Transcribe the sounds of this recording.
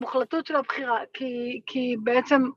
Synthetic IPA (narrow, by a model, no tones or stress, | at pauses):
muχlatutʃelabχiʁakʰikʰibeʔet͡sem